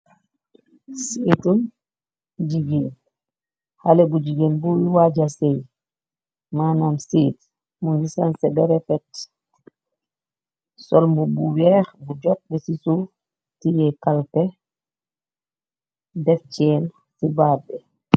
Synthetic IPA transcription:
siːtun | ɟiɡin | halebuɟiɡenbujiwaɟasej | maːnamsiːt | muŋɡisansɛbɛɾɛfɛt | sɔlmbubuwɛːxbuɟɔt̚bɛsisu | tijɛkalpɛ | dɛft͡ʃɛːn | sibaːbɛ

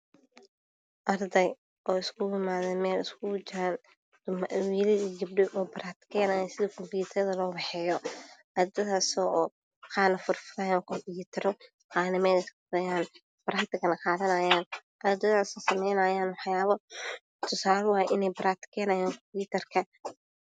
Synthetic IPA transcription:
ʔɐrd̪ɛj | ʔɔːɪskʰʊjɪmaːðɛmɛːlɪskʰʊt͡ʃan | mɐʔwiːlɐðid͡ʒɪbɖɛʔɔːbɐɾaːt̪kʰɛːnaːjasɪðɐkʰɔmpjuːt̪ʰɐrðɐlɔːbɑħɛːjɔʔɐɾd̪ɐðaːsɔː | qɑːnɐfʊrfɪɾaːjaɔkʰɔmpjuːt̪ʰɐɾɔ | qɑːnɪmɛːlɪskʊd̪ɐjaːn | b̥ɐɾaːt̪ɪkʰɐnɐqɑːðɐnaːjaːnʔɐrd̪ɐðaːsɔːsɐmɛjnaːjaːnwɑħjaːβɐ | t̪ʰʊsaːlwɑːjʔɪnɛjbɐɾaːt̪ɪ̥kʰɛːnɐjaːŋkʰɔmpjuːt̪ʰɐrkʰɐ

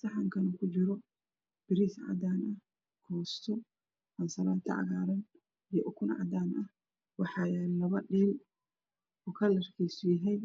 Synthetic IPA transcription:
sɑħɑŋkʰɐnɔkʰʊt͡ʃɪɾɔ | b̥ɪɾiːsʕɑ̰d̪aːnʔɐh | kʰɔːst̪ʰɔ | ʔɐnsɐlaːt̪ʰɐ̰ʕɑ̰ɣaːɾɐn | ijɔʔʊkʰʊnʕɑ̰d̪aːnʔɐh | wɑħɑjlɐβɐɖiːl | ʊkʰɐlɐrkʰɛjsʊjɪɦɛj

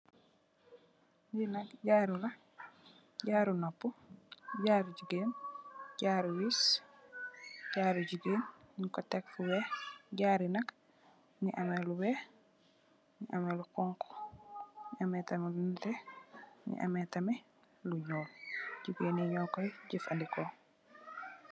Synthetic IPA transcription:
dinakɟaɾula | ɟaːɾunopːuɟaːɾuɟiɡenɟaːɾujis | ɟaɾuɟiɡeːnnikɔtekfuwɛɟaːɾinak | niʔamɛluwɛ | niʔamelukɔŋkʰɔ̥ | niʔamɛtamɛluntɛnḭʔa̰mɛtamɛ | luɲoːɟuɡeːniɲɔːkɔjɟifandikɔ

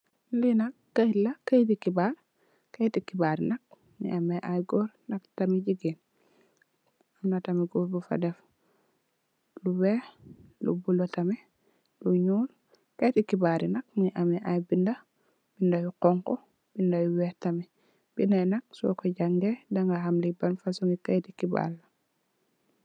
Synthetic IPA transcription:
linɐkːajlɐkajtikibaɾ | kajtikibaɾinɐk̚ | nḭʔameʔajɡɔɾnɐktamiɟiɡin | amnatamiɡɔɾbufa̰dɛf | luwɛːhlṵbulotɐmɛ | luɲuːl | kajtikibaɾinɐk̚niʔamiʔajbindɐ | b̥indajuqɔŋkɔ | b̥indajuwɛtɐmɛ | b̥inajnɐk̚sɔ̰kɔɟaŋɡɛdaŋɡaɦamlibanfasuŋɡikajtikiba̰lːɐ

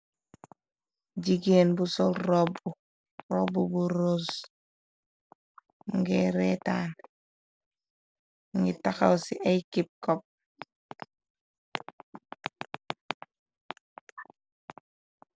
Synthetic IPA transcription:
ɟiɡeːnbusolɾobu | ɾobubuɾos | ŋɡeːɾetaːn | ŋɡitaxawsiʔajkip̚kop̚

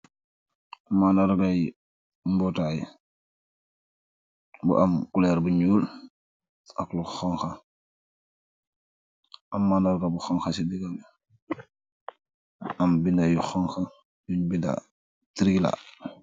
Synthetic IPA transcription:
amːandaɾɡaj | mbɔtajḭ | bṵʔamkulɛɾbuɲuːl | akluxɔŋxa | amːaːndaɾɡabuxɔŋxasidiɡaɡ | ambindajuxɔŋxa | juɲbinda̰ | tiɾɡila̰

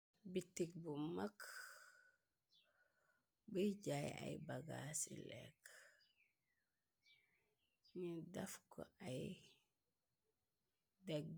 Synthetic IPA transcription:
bitik̚bumak | buɟaja̰jbaɡa̰sḭlɛ̰k | ɲidɐfkɔ̰ʔaj | dek̚

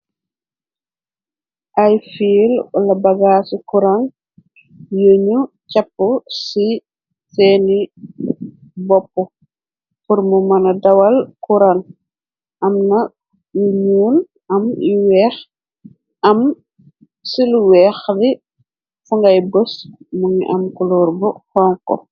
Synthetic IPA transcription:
ʔɐjfiːlɔlɐbɐɡasikuɾan | jəɲu | cɐpːɔsi | sɛːni | bɔpːu | puɾmumɐnɐdɐwɐlkuɾan | ʔɐmnɐ | juɲuːl | ʔɐmḭwɛːx | ɐm | siluwɛːxdi | fuŋɡɐjbəsmuŋiʔɐmkulɔːrbɔhɔːŋkɔ̰

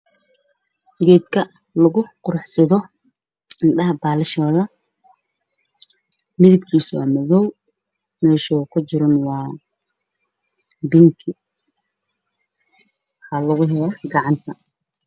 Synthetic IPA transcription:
ɡɛːd̪kʰɐ | lɐɣʊqʊɾħsɐðɔ | ɪnɖɐɦɐbaːlɪʃɔːðɐ | mɪðɪbkʰiːswɑ̰ːmɔðɔw | mɛːʃɔːkʰʊt͡ʃɪɾɔnwɑː | bɪŋkʰɪ | hɐlɐɣʊɦɛlɔɡɑʕɑnt̪ʰɐ

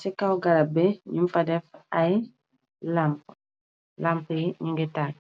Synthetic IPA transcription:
sikawɡalabeɲimfadefaj | lamp | lampiɲiŋɡetaː

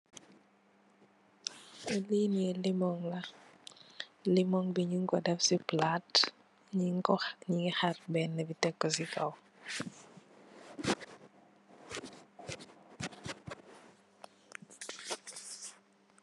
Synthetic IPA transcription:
ɛlinielimɔŋlɐ | limɔŋbiɲiŋkɔdɛfsiplat | ɲiŋkɔɲiŋixarbɛnːɛbitɛkːɔsikɐw

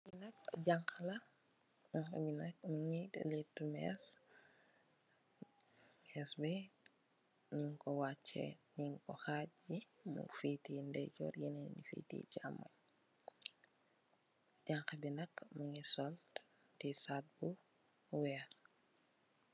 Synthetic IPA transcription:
binɐkɟaŋklɐ | aŋkɐ̰binɐk̚muŋḭlitːumɛ̰s | ɛsbɛ | ɲiŋkɔwat͡ʃːɛ̰niŋkɔxaːt̚ːjimṵfiːtiːndɛɟɔ̰ːrjinɛnnifḭːtḭːɟamːɐ̰ɲ | ɟaŋkɐbinɐkːmuŋisɔl | tisaːt̚bu | wɛ

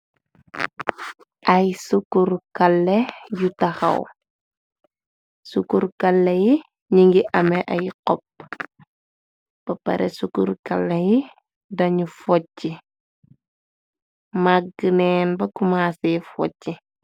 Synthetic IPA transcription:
ʔɐjsukuɾkɐlːejutɐxɐ̰w | sukuɾkɐlːeji | ɲiŋɡiʔɐmɛʔɐjqɔp̚ | b̥ɐpːɐ̰ɾɛsukuɾkɐlːeji | dɐɲufɔcːi | maɡənɛːnbɐkumaːsɛfɔcːi

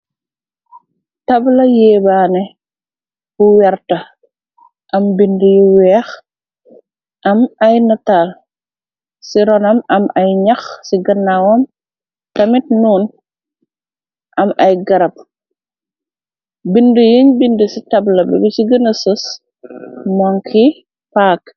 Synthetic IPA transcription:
tɐblɐjɛːbaːnɛ | buwɛɾtɐ | ʔɐmbindəjuwɛːx | ʔɐmɐjnɐtaːl | siɾɔnɐmɐmɐjɲɐxsiɡɐnːawɐm | tɐmit̚nuːn | ʔɐmɐjɡɐɾɐp̚ | bindəjiɲbindəsitɐblɐbɛ̰bisiɡɐnɐsus | mɔŋkʰi | paːk

